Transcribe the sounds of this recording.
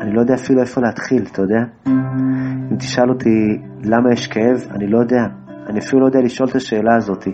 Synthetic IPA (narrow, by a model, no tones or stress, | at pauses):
anilo̞jo̞d̪eafilue̞fo̞leat̪χilt̪ajod̪ea | imt̪i̥ʃalo̞t̪ʰi | lamajeʃkee̞va̰nilo̞jo̞d̪e̞a | aniafilulood̪ealiʃʔo̞let̪aʃe̞ːlaːzo̞t̪i